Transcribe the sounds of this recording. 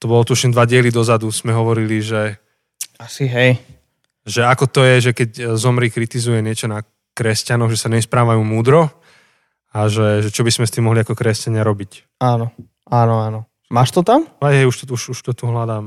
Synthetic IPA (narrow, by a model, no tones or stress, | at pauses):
t̪ɔbɔlɔt̪uʃɲɛd̪ʋaɟɪɛlid̪ɔzad̪uz̥mɛɦɔʋɔɾiliʒɛ | asiɦɛj | ʒɛakɔt̪ɔjɛʒɛkɛczɔmɾiːkɾit̪izujɛɲɪɛt͡ʃɔna | kɾɛscanɔɣʒɛsaɲɛspɾaːʋajuːmuːd̪ɾɔ | aʒɛʒɛt͡ʃɔbizmɛst̪imːɔɦliakɔkɾɛscaɲɪaɾɔbic | aːnɔ | aːnɔaːnɔ | maːʃt̪ɔt̪amɦɛjɦɛjuʃt̪ɔuʃuʃt̪ɔt̪uɦlad̪aːm